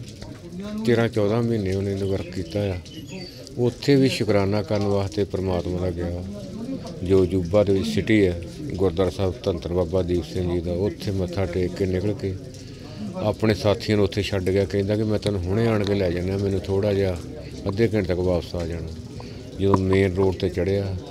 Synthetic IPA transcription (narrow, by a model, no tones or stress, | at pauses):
t̪eːɾãːt͡ʃɔːd̪ãːmiːnːeːʊnẽːnːʋəɾkkːiːt̪aːjaː | ʊt̪ʰːeːbiːʃʊkɾaːnaːkəɾənʋaːt̪eːpəɾəmaːt̪mãːd̪aːɡɪaː | d͡ʒoːd͡ʒuːbãːd̪eːʋɪt͡ʃsɪʈiːɛːɡʊɾd̪aːɾsaːbt̪ənt̪əɾbaːbaːd̪iːbsɪ̃ŋɡd͡ʒiːd̪aːʊt̪ʰːeːmə̃ːt̪ʰːaːʈeːkːeːnɪkəɭkeː | aːpɳeːsaːt̪ʰiːãːnːʊt̪ʰːeːʃəɖɡɪjaːkɛ̃ĩnd̪aːkɪmɛ̃ːt̪ənũːɦʊɽ̃ẽːaːɳkeːlɛːd͡ʒaːnaːmɛ̃ːnũːt̪ʰoːɽaːd͡ʒaː | əd̪eːkɪnt̪əkʋaːpsaːd͡ʒaːnaː | d͡ʒɪd̪õːmeːnɾoːɽt̪eːt͡ʃəɽeːaː